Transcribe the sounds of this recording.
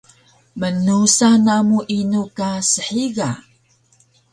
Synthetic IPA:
mənusanamuʔinukasəħiɡa

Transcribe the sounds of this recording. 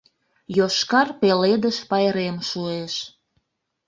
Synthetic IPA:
joʃkɑrpeled̪əʃpɑjɾemʃueʃ

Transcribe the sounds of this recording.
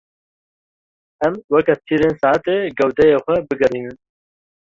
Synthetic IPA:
ɛmwɐkat̪ʰiːɾeːnsɑːt̪eːɡɐwd̪ɛjeːxʷɛbɨɡɐɾiːnɨn

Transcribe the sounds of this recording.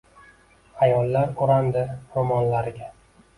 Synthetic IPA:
ajɒlːaɾoɾand̪ɪɾomɒnlaɾɪɡʲa

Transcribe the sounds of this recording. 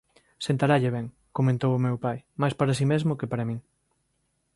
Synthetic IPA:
sẽnt̪aɾaʎeβ̞ɛŋ | komẽnt̪owʊmewpajmajspaɾas̬imezmʊkepaɾɐmĩŋ

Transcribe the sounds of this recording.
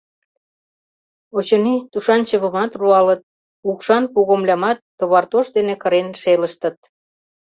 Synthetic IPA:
ot͡ɕŏnit̪uʃɑnt͡ɕəβə̆mɑt̪ruɑlət̪̚ | ukʃɑnpuɣomlʲɑmɑt̪ːoβɑrt̪oʃd̪enekəɾenʃeləʃt̪ə̆t̪̚

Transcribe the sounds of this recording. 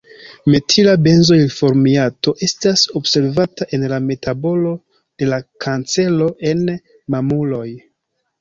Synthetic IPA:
me̞tʰilabe̞nzoilfo̞ɾmiato̞ʔe̞staso̞bse̞ɾvataʔe̞nlame̞tabo̞lo̞ | d̥e̞lakʰant͡se̞lo̞ʔe̞n | mamulo̞j

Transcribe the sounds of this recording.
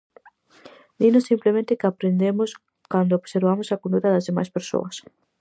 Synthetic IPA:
d̪inosimplemẽnt̪ɪkɪapɾend̪emos | kand̪ooβseɾβamosakond̪uɾɐðɐzðema̰jspeɾso̰ɐs

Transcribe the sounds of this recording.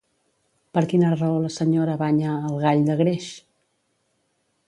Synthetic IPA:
pəɾkinərəoləsəɲoɾəβaɲəːlˠɣaʎd̪əɣɾeʃ

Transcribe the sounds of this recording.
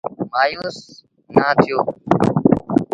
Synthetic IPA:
maːjuːs | naːt̪ʰɪjoː

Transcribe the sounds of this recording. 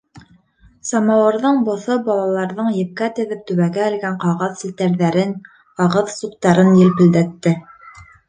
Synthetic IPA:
sɑmɑwɤ̆ɾðɤɴbŏθɤbɑlˠɑlˠɑɾðɤɴjɘ̆p̚kæt̪ɘ̆ðɘp̚t̪ɵ̆βæɡæ̆ːlɡæɴqɑʁɑðsɘ̆lt̪æɾðæɾɘn | qɑʁɤðsuqt̪ɑɾɤnjɘlpɘ̆ld̪æt̪ːɘ

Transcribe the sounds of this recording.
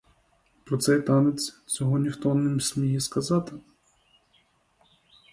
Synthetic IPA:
pɾɔt̪sɛjt̪ɑnet͡sʲt͡sʲɔɦɔnʲixt̪ɔnɪmsʲmʲijɛskɐzɑt̪ɪ

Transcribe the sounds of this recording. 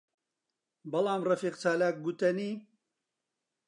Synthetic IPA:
bɐlaːmrɐfiːqt͡saːlaːk̚ɡut̪ɐniː

